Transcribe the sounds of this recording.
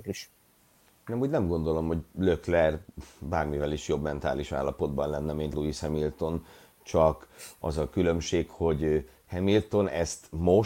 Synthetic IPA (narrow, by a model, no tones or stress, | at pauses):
iʃ | hnɛmuːɟnɛmɡo̞nd̪o̞lo̞mho̞ɟløklɛrbaːrmivɛliʃjo̞bmɛnt̪a̰ːliʃa̰ːlːɒpo̞d̪bɒnlɛnːɛmint̪luishɛmilt̪o̞n | t͡ʃɒkɒzɒkylø̞mʃeːkho̞ɟ | hɛmilt̪o̞nɛst̪mo̞